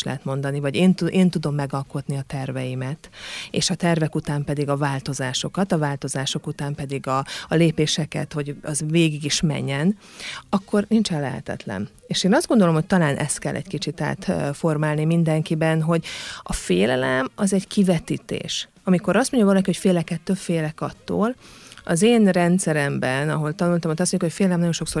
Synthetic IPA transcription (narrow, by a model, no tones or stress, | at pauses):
lɛ̰ɦɛt̪mo̞nd̪ɒnivɒɟeːnt̪uʔeːnt̪ud̪o̞mːɛɡɒlko̞t̪niɒt̪ɛrvɛjimɛt̪ḛːʃɒt̪ɛrvɛkut̪aːmpɛd̪iɡɒvaːlt̪o̞zaːʃo̞kɒt̪ɒvaːlt̪o̞zaːʃo̞kut̪aːmpɛd̪iɡɒːleːpeːʃɛkɛ̰t̪ho̞ɟɒzveːɡiɡiʃmɛ̰ɲːɛnɒkːo̞rnint͡ʃɛnlːɛɦɛ̰t̪ɛ̰t̪lɛ̰n | eːʃeːnɒzd̪ɡo̞nd̪o̞lo̞mho̞c̚t̪ɒlaːnʔɛ̰st̪kɛlʔɛ̰ɟkit͡ʃit̪a̰ːt̪fo̞rmaːlnimind̪ɛŋkibɛnɦo̞ɟɒfeːlɛlɛmɒzɛɟkivɛt̪iːt̪ḛːʃ | ɒmiko̞ɾɒst̪mo̞ɲɟovɒlɒkiho̞cfeːlɛkɛt̪ːøpfeːlɛkɒt̪ːo̰ːlɒzeːnrɛnt̪sɛɾɛmbɛnɒɦo̞lt̪ɒnult̪ɒmot̪ɒst̪moɲɟukhofeːlɛlɛmnɒjo̞nʃo̞kso